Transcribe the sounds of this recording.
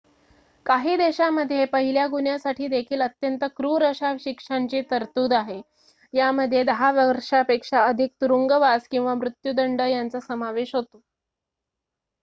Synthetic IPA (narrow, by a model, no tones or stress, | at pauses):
kaɦiːd̪eɕaməd̪ʱːjepəɦiljaɡuɳjasaʈʰiːd̪ekʰiːlət̪jənt̪əkɾuːɾəɕaʋɕikʂaɲt͡ɕiːt̪əɾt̪uːd̪aɦe | jaməd̪ʱːjed̪əɦaʋəɾʂapekʂaəd̪ʱik̚t̪uɾuŋɡəʋaskĩw̃ʋamɾut̪jud̪əɳɖəjant͡səsəmaʋeɕɦot̪o